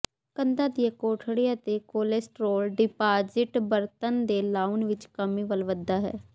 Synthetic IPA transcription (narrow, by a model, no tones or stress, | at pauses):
kənd̪aːd̪ijakoːʈʰɽijaːt̪eːkoːlesʈɾoːlɖɪpaːd͡ʒɪʈbəɾt̪ənd̪eːlaːunʋɪt͡ʃkəmiːʋəlʋəd̪ːaːɦɛ̰ː